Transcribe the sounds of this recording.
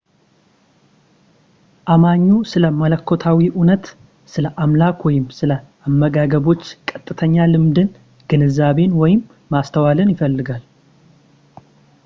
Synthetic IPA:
ʔamaɲːusɨləmələkʰːo̞t̪ʰawiʔunət̪ | sɨləʔamlakwɔjɪmsɨlə | amːəɡaɡəβo̞t͡ʃːkʼət̪ʼːɨt̪ʰəɲːalɨmd̪ɨn | ɡ̥ɨnɨzaβe̞nwɔjɪmː | ast̪ʰəwalɨnjɪfəlːɨɡal

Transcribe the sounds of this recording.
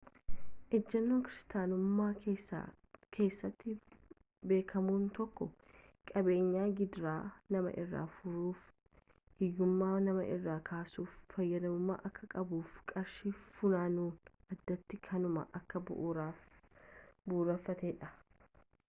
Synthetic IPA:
ʔɛd͡ʒːɐnːoːŋkɪɾɪst̪aːnʊmːa̰ː | ke̞ːsːɐt̪ːɪ | be̞ːkʰɐmuːnt̪ɔkːɔ | kʼɐbe̞ːɲːaːɡɪd̪ɾaːnɐmɐ̰ʔɪrːa̰ːfʊɾuːf | hɪjːʊmːaːnɐmɐ̰ʔɪrːaːkʰaːsuːfːɐjːɐd̪ɐmʊmːa̰ːʔɐkːɐkʼɐbuːfkʼɐɾʃiːfʊnaːnuːnʔɐd̪ːɐt̪ːɪkʰɐnʊmɐ̰ʔɐkːɐ | buːrɐfːɐt̪eːᶑɐ

